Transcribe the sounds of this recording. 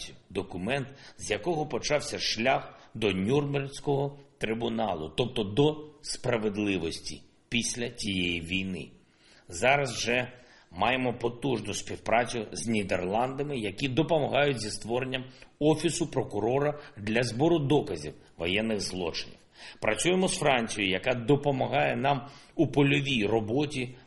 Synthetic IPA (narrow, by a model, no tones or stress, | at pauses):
ʊ̥d̪ɔkʊmɛnt̪zʲjɐkɔɦɔpɔt͡ʃɑwsʲɐʃlʲaxd̪ɔnʲurmberʲsʲkɔɦɔt̪ɾɪbʊnɑlˠʊ̰t̪ɔp̚t̪ɔd̪ɔspɾɐʋed̪lˠɪʋɔsʲtʲḭ | pʲisʲlʲɐt͡sʲijejiʋʲijnɪ̰ | zɑɾɐzʒɛ | mɑjemɔpɔt̪uʒnʊsʲpʲiwpɾɑt͡sʲʊzʲnʲid̪erlˠɑnd̪ɐmɪjɐkʲid̪ɔpɔmɐɦɑjʊtʲzʲist̪ʋɔɾenʲːɐmɔfʲisʊpɾɔkʊɾɔɾɐd̪lʲɐzbɔɾʊd̪ɔkɐzʲḭw | ʋɔjɛnːɪɣzlˠɔ̰t͡ʃɪ̥nʲḭwpɾɐt͡ssʲujemɔsfɾɑnʲt͡sʲijʊjɐkɑd̪ɔpɔmɐɦɑjɛnɑmupɔlʲɔʋʲijrɔbɔtʲi